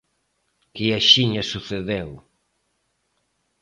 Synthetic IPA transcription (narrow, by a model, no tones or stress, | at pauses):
kiaʃiɲɐsuθeðew